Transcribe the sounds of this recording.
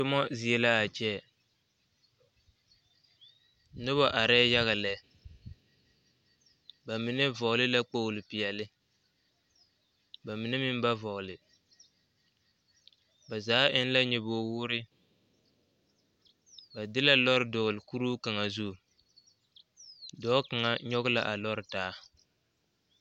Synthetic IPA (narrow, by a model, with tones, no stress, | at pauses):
tʊ˦mɔ˦zi˨ɛ˨la˦a˨t͡ʃɛ˦ | nʊ˦βa˨ʔa˨ɾɛ˦ja˦ɣa˨lɛ˨ | ba˨mi˨nɛ˦vɔ˨ɣlɪ˦la˦k͡po˦˨lɪ˨pi˨ɛ˨lɪ˦ | ba˨mi˨nɛ˦mɪ˦m˦ba˦vɔ˨ɣlɪ˨ | ba˨zaː˨˦ʔɪ˦n˦la˦ɲɛ˨boː˨wʊ˦ɾɪ˦ | ba˨dɪ˦la˦lɔ˦ɾɪ˦˨dɔ˨lɪ˨ku˦ɾuː˦ka˨ŋa˨zu˦˨ | dɔː˦ka˨ŋa˦˨ɲɔ˦ɣʊ˦la̰˨ʔa˨lɔ˦ɾɪ˨taː˦